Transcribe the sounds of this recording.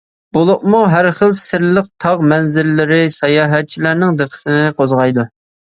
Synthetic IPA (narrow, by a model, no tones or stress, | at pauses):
bolˠʊq̚muɦæɾχəlˠsɪɾlˠəq̚t̪ʰɑʁmɛnzɪɾlɪɾɪsɑjɑːɦɛt̪̚t͡ʃʰilæɾnɪŋd̪əqʰə̥t̪ɪnɪqʰozʁɑjd̪u